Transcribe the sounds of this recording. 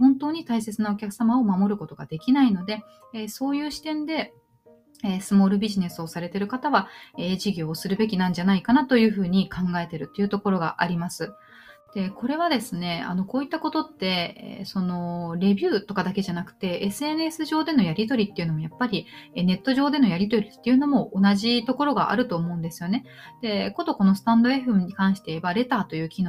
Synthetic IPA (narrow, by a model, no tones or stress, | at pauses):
hõ̞nt̪o̞ːɲ̟it̪aise̞t͡sɨnao̞kʲakɯ̟̥samao̞mamo̞ɾɯ̟ko̞t̪o̞ɡad̪e̞kʲinaino̞d̪e̞ | so̞ːjɯ̟ːɕi̥t̪ẽ̞nd̪e̞ | eːsɨmo̞ːɾɯ̟bʲiʑine̞sɨo̞saɾe̞t̪e̞ɾɯ̟kat̪aβaeːʑiɡʲo̞ːsɨɾɯ̟be̞kʲinãɲ̟d͡ʑanaikanat̪o̞jɯ̟ːɸɯ̟ːɲ̟ikʰãŋɡae̞t̪e̞ɾɯ̟t̪ːe̞jɯ̟t̪o̞ko̞ɾo̞ɡa̰ʔaɾʲimasɨ | d̪̥e̞ko̞ɾe̞β̞ad̪e̞sɨne̞a̰no̞ko̞ːit̪ːako̞t̪o̞t̪ːe̞̰so̞no̞ɾe̞bʲjɨːt̪o̞kad̪ake̞ʑanakɯ̟̥t̪e̞esɨe̞nesɨʑo̞ːd̪e̞no̞jaɾʲit̪o̞ɾʲit̪ːe̞iɯ̟no̞mo̞japːaɾʲiene̞t̪ːo̞ʑo̞ːd̪e̞no̞jaɾʲit̪o̞ɾʲit̪ːe̞jɯ̟no̞mo̞ʔonaʑit̪o̞ko̞ɾo̞ɡa̰ʔa̰ɾɯ̟t̪o̞ːmo̞ɯ̃nd̪e̞sɨjo̞ne̞ | d̪̥e̞kod̪o̞ko̞no̞sɨ̥t̪ãnd̪o̞e̞ɸɯɲ̟ikãɰ̃ɕi̥t̪ebaɾe̞t̪aːt̪o̞jɯ̟ːkʲino